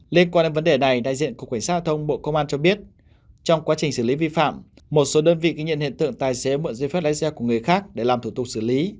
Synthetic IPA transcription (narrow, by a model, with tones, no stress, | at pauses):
li˧ənkwaː˧nːe˨˦nvə˨˦nɗe˨˩na˨˩jɗa̰ː˧˨jzḭ˧˨ənkk̚wa˧˩ŋ̟saː˦˥ha˧˩t̪ʰə˧wŋ͡mɓo̰˧˨kə˧wŋ͡mʔaː˧nt͡ɕɔ˧ɓi˦˥ət̚ | t͡ɕɔ˧wŋ͡mkwaː˨˦t͡ɕï˨˩ŋ̟sɨː˧˩li˨˦vi˧fa̰ː˧˨mː | o˨˩t̚so˨˦ɗəː˧nvḭ˧˨ki˨˧ŋɲḭ˧˨nhḭ˧˨nt̪ɨ̰˧˨əŋt̪aː˨˩jse˨˦mə̰˧˨nzə˧˩fa˦˥t̚la̰ː˧˥sɛ˧ku˧˩əŋɨ˨˩əjxaː˦˥k̚ɗe˧˩laː˨˩mt̪ʰu˧˩t̪ʊ˨˩k̚sɨ˧˩li˨˦